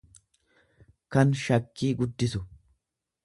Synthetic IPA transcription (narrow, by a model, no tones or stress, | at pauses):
kɐnʃɐkːiːɡʊd̪ːɪsʊ